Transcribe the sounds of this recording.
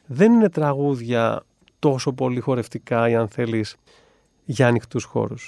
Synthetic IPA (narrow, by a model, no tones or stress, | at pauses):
ðe̞nine̞t̪ɾɐɣuðʝɐ | t̪o̞so̞po̞lixo̞ɾe̞ft̪ikɐiɐnθe̞lis | ʝɐːnixt̪usxo̞̰ɾus